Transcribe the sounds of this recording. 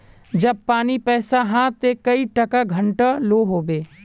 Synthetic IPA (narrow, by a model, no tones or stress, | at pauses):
d͡ʒɐb̚paːnipɛːsaɦãt̪ekɐiʈɐkaɡʱɐ̃ɳʈaloːɦoːbeː